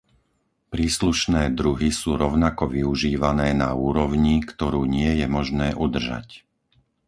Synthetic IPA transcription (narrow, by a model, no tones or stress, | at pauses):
pɾiːsluʃnɛːd̪ɾuɦisuːɾɔʊnakɔʋiuʒiːʋanɛːna̰uːɾɔʊɲikt̪ɔɾuːɲɪɛjɛmɔʒnɛːʔud̪r̩ʒa̰c